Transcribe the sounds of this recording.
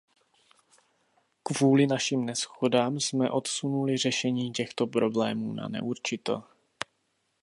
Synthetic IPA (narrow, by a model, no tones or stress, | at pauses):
kvuːlɪnaʃimnɛsxodaːmsmɛʔo̞t̪sunulɪr̝ɛʃɛɲiːcɛxt̪o̞pɾo̞blɛːmuːna̰nɛ̰ʔuɾt͡ʃɪt̪ɛ̰l